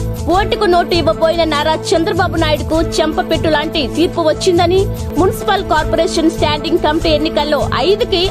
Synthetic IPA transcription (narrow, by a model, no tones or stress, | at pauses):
poːʈikuno̞ːʈuiʋːɐpoːjinɐnaːɾaːt͡ʃɐnd̪ɾɐbaːbunaːjuɽukut͡ʃɛmpɐpeʈːulaːɳʈit̪iːɾpuʋɐt͡ʃːind̪ɐni | munisi̥pɐlkaːɾpoɾeːʂɐnsʈaːɳɖiŋɡkɐmpienːikɐlːo̞ːʔɐjd̪uki